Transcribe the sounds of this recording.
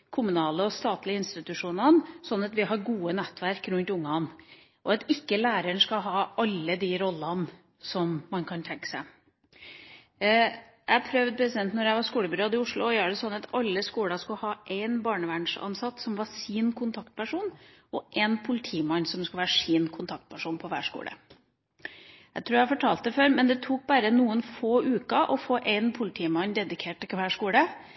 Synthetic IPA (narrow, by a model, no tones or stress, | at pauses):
kʰʊmʉnɑːləɔst̪ɑːt̪lɪəɪnst̪ɪt̪ʉʂuːnɑnsɔnːɑt̪ʋɪɦɑɾɡuːənɛt̪ːʋæɾkɾʉnt̪ʊŋːɑn | ʔɔɑt̪ɪkːəlæːɾəɳʂkɑɦɑːɑlːəd̪iɾɔlːɑn | sɔmːɑnkʰɑnt̪ʰɛŋkːə̥sæɪ | jæɪpʰɾœʋd̪̚pʰɾɛsɪd̪ɛnt̪nɔɾjæɪʋɑɾskuːləbʏɾɑːd̪ɪʊʂlʊɔjøːɖɛsɔnːɑt̪ɑlːəskuːlɑskʉlhɑːʔæɪnbɑːɳəʋæɳʂɑ̰nsɑt̪ːsɔmʋɑʂiːnkʰʊnt̪ʰɑkt̪̚pʰæʂuːn | ʔɔʔɛnpʰʊlɪt̪ʰiːmɑɲːsɔmskʉlʋæːɾəʂiːnkʰʊnt̪ʰɑk̚t̪̚pʰæʂuːnpʰɔʋæ̰ːʂkṵːlʔə̰ | jæɪt̪ʰɾuːɾjæfɔʈʰɑːlt̪̚d̪əføːɾmɛnd̪ɛt̪ʰuːk̚bæːɾənuːənfoːʔʉːkɑʔɔfoːʔæɪnpʰʊlɪt̪ʰiːmɑɲːd̪ɛd̪ɪkʰeːʈ̚ːɪkʋæːʂkuːlə